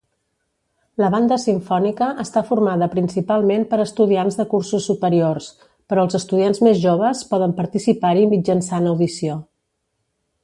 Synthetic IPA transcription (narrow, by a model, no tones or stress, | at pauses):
ləβ̞and̪əsiɱfɔnikəʔːst̪afuɾmaðəpɾinsipalˠmempəɾəst̪uðianzðəkursusːupəɾiors | pəɾɔəlˠzəst̪uðianzmezʒoβ̞əspɔðəmpəɾt̪isipaɾimid͡ʒənsanəwðisio